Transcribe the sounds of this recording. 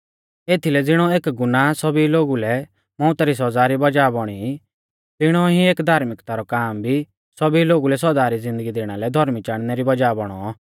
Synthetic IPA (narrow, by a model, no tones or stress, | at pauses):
eːt̪ʰilɛd͡zɪɽ̃ɔeːkɡʊnasɐbiloːɡulɛ | mɔ̃ʊt̪ɾis̬ɔd͡zaːɾibɐd͡ʒaːbɔɽ̃i | t̪ɪɽ̃ɔɦĩeːkd̪ʱaːɾmɪkt̪aɾɔkaːmbʱi | sɐbiloːɡulɛs̬ɔdaːɾid͡zɪ̃nd̪əɡid̪eːɽ̃alɛd̪ʱɔɾmit͡ʃaːɽ̃nɛɾibɐd͡ʒaːbɔɽ̃ɔ